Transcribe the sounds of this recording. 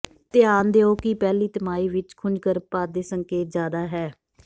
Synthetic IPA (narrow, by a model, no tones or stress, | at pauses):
t̪ɪaːnd̪eːoːkɪpɛːliːt̪əmaːiːʋɪt͡ʃkʰʊnd͡ʒɡəɾpaːd̪eːsəŋkeːt̪zjaːd̪aːɦɛː